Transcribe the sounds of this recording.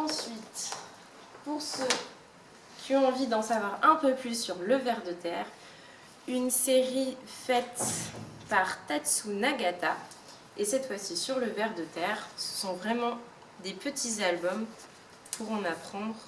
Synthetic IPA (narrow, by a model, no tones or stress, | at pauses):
ɑ̃sɥit̪ | puʁsø | kʲiɔ̃ɑ̃vid̪ɑ̃savwaʁɛ̃pøplysːyʁləvɛʁd̪ət̪ɛːʁ | ynseʁifɛt̪paʁt̪at̪sunaɡat̪a | esɛt̪fwasisyʁləvɛʁd̪ət̪ɛːʁsə̥sɔ̃vʁɛmɑ̃ | d̪epət̪ʰizalbɔm | pʰuʁɑ̃napχɑ̃d̪ʁ